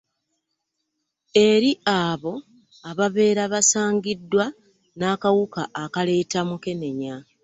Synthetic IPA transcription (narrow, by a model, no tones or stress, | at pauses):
e̞ɾiʔaːβo̞ | aβaβe̞ːɾaβasaːŋɡidːwa | naːkawukaʔːkale̞ːtamuke̞ne̞ɲa